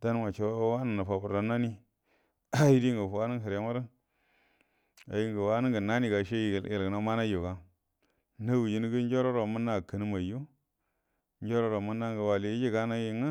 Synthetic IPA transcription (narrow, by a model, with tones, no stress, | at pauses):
d̥a˦n˦ma˨t͡ʃe˨˦wwa˦nə˨na˨fa˨bu˨ɾda˨na˦ni˦ | a˦ji˦di˦ŋɡə˨fwa˦nə˦ŋ˦ɦə˨ɾa˦ma˦ɾə˦ | a̰˨ji˦ŋɡə˨wa˦nə˦ŋɡə˨na˦ni˦˨ɡa˨ʃe˦ji˨ɡə˨lɡə˨na˨˦ma˦na˦jo˨ɡa˨ | na˦wu˨ji˦n˦ɡə˦n˦d͡ʒo˦ɾo˦ɾo˨mə˦nːa˦˨kə˨ni˦ma˨ju˦ | n˦d͡ʒo˦ɾo˦ɾo˨mu˦nːa˦ŋɡə˨wa˨li˨i˦d͡ʒi˦ɡa˦na˦ji˦ŋa˦